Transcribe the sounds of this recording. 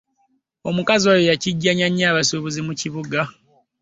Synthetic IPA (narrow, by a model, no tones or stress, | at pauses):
o̞mukazajojaciɟːaɲaɲːaːβasoβuzimuciβuɡa